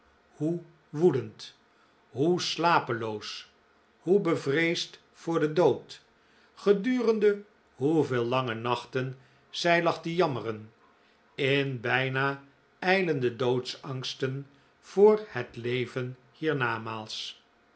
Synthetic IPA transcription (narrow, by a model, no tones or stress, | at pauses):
hu | ʋudənt | ɦuslaːpəlows | hubəvrejst | fʊːɹdədowt | χədyːrəndə | ɦuveːlˠlɑŋənɑχtən | z̥ɛjlɑχdəjɑmərən | ɪnbɛjnaː | ɛjləndədowtsɑŋstən | v̥ʊːɹhətlejvən | hiːɹnaːmaːlˠs